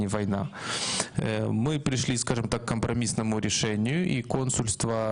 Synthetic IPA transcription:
ɪvɐjna̰ | mɨpɾʲɪʂlʲiskaʐɨmt̪akːəmpɾɐmʲisnəmʊɾʲɪʂɛnʲɪjʊʔiko̞nsʊlʲst̪və

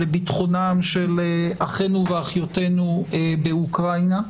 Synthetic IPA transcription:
lebitχo̞namʃeleʔaχenuveaχjote̞nuebeukʁajna

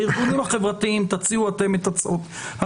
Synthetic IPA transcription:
iʁɡunimaχevʁat̪iimt̪at͡siuat̪emet̪at͡sʔot̪ | ha

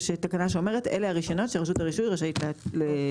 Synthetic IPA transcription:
ʃetakanaʃ̬eo̞me̞ʁ̞etḛleaʁiʃono̞tʃeʁaʃutaʁiʃujʁaʃaitlele

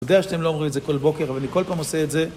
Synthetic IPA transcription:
d̪eaʃat̪emloːmʁimetzeko̞lbokeʁavalaniko̞lpaːmoseetze

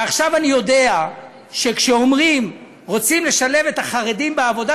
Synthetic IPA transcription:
aχʃavanijo̞dea | ʃe̞kʃeomʁim | ʁo̞t͡simle̞ʃale̞ve̞t̪aχaʁedimbeavo̞da

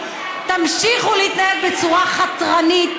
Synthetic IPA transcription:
t̪amʃiχuliit̪najed̪̚bet͡suʁaχatʁanit̪

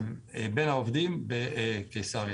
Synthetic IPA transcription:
ebɛnaɔvd̪imbɛkesaʁj

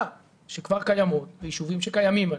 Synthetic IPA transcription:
ʃekvaʁkajamo̞t̪vejiʃuvimʃekajamima

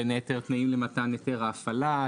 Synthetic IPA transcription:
eneteʁt̪naimlemat̪aneteʁaːfala

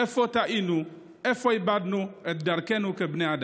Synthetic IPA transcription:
ɛfɔtaʔinũ | ɛfɔibadnʊ̃ɛdaɾkɛnʊ̃kɛbnɛada

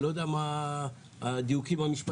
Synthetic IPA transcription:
lod̪ama | d̪iwkʰimɐmisp

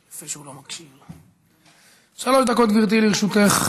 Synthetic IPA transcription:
afeʃeulomakʃiʁ | ʃalo̞ʃd̪ako̞t̪viʁt̪̬iliʁʃut̪eχ

